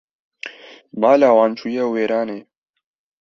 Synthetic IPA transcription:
maːlaːwaːnt͡ʃʰuːjɛweːɾaːneː

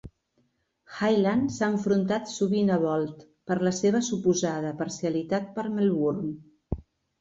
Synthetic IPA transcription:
xajlansaəɱfɾunt̪at̪suβinəβ̞ɔlˠt̪ | pəɾləseβ̞əsupuzað̞əpəɾsiəlit̪at̪̚pəɾməlˠβuɾm

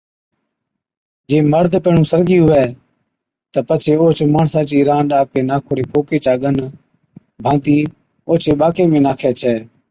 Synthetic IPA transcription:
d͡ʒeːməɾd̪ʱpeːɳũːsəɾɡiːɦʊʋɛː | t̪əpət͡ʃʰeːoːt͡ʃʰmaːɳsaːt͡ʃiːɾãːɳɗaːp̚keːnaːkʰoːɽeːkoːkeːt͡ʃaːɠən | bʱãːnt̪iː | oːt͡ʃʰeːɓaːkeːmẽːnaːkʰeːt͡ʃʰɛː

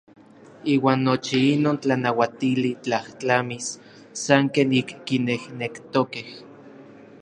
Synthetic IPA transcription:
iːwaːnːot͡ʃiinoːnt͡ɬanawat̪ilit͡ɬaht͡ɬamisː | aŋkeːnikːinehnekt̪okeh

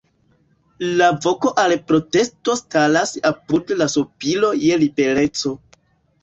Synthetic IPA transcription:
lavo̞ko̞ʔalpɾo̞te̞sto̞stalasapudlasopilo̞je̞libe̞ɾe̞t͡so̞

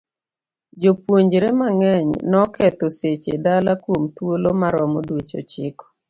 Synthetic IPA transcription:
d͡ʒopwoɲd͡ʒɾemaŋɛɲnɔkɛt̪oset͡ʃḛdalakwomt̪wolomaɾɔmodwet͡ʃo̰t͡ʃɪkɔ̥

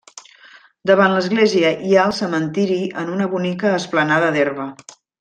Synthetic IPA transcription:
d̪əβanləzɣleziəʔiaəlˠsəmənt̪iɾiənunəβunikəːsplənaðəðerβə

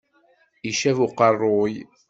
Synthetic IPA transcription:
iʃævuqːɑrˤːoj

